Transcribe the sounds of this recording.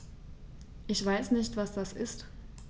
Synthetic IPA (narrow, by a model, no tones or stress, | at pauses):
ʔɪçv̥aɪsnɪçtv̥asd̥asʔɪst